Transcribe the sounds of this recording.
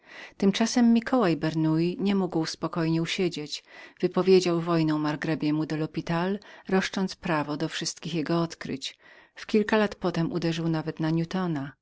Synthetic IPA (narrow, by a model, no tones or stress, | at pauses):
t̪ɘmt͡ʂasɛmːʲikʰɔwajbɛɾnujiɲɛmuɡwspɔkɔjɲɛuɕed͡ʑet͡ɕv̥ɘpɔvʲjed͡ʑawvɔjnɔ̃w̃maɾɡɾɛbʲjɛmud̪ɔlɔpʲit̪alɾɔʂt͡ʂɔnt̪spɾavɔd̪ɔfʂɘst̪kʲixjɛɡɔɔt̪kɾɘ̰t͡ɕfkʲilkalat̪pɔt̪ɛmʔud̪ɛʐɘwnavɛt̪naɲut̪ɔna